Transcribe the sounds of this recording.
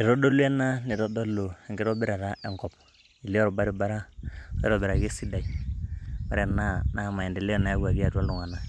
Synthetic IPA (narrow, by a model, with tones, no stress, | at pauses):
i˨ɾɔ˦do˦lu˦ɛ˦na˦ni˨ɾɔ˦do˦lo˨ɛ˨ŋɡɪ˦ɾɔ˦bɪ˦ɾa˨ɾa˦ʔɛ˦ŋkɔ˨p̚ | i˨le˦ɔ˦ɾɔ˨ba˦ɾi˦ba˦ɾa˦ɛ̰˦ɾɔ˨bɛ˨ɾa˨ke˦si˦da˨i˨ | wa̰˦ɾɛ˦˨na˦na˦˨ma˨ɛ˨ndɛ˨le˦ɔ˨na˨ɛ˦ɡa˨ɡi˦a˨ta˦lu˨ŋa˨na˨